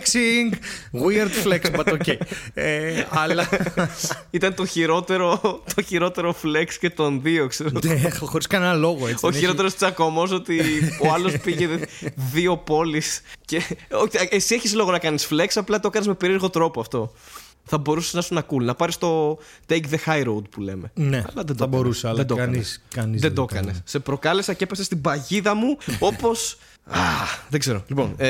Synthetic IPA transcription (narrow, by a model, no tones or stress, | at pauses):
ksiŋɡɣwiɐɾd̪fleksɐt̪ocejeɐlɐ | it̪ɐnt̪o̞çiɾo̞t̪e̞ɾo̞t̪ʰo̞çiɾo̞t̪e̞ɾo̞fle̞ksce̞t̪o̞nðiokseɾexo̞ɾiskɐnenɐlo̞ɣoeioçiɾo̞t̪eɾost̪isɐko̞mo̞s̬o̞t̪ioɐlo̞spiʝe̞ðio̞po̞lisceoʔesieçislo̞ɣo̞nɐkɐnisfle̞ksɐplɐt̪o̞kɐnezme̞pe̞ɾieɾɣo̞t̪ɾo̞poɐft̪o̞ | θɐbo̞ɾuseznɐsuznɐkulnɐpɐɾist̪o̞ | t̪ejkðe̞xɐjɾowd̪̚pule̞̰me̞̰neɐ̰lɐðend̪ɐboɾused̪oɐniskɐnizðend̪o̞kɐnesːe̞pɾo̞kɐlesɐcepesest̪ibɐʝiðɐmuo̞po̞s | aðe̞ɡze̞ɾo̞lipo̞̰n